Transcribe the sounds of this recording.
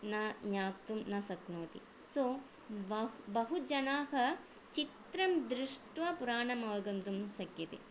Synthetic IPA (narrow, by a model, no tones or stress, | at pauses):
naɲaːk̚t̪umnɐsɐknoːt̪ḭ | soː | ʋɐbɐɦud͡ʒɐnaːɦɐ | t͡ʃit̪ɾɐmd̪ɾɪʂʈʋɐpuɾaːɳɐmɐʋɐɡɐnt̪umsɐkjɐt̪ḛ